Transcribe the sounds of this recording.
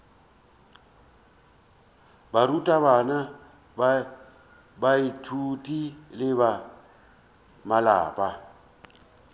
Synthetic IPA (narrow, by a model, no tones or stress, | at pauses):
barutʼaβana | ba | baitʰutʼilɪβa | mala̰ːpʼa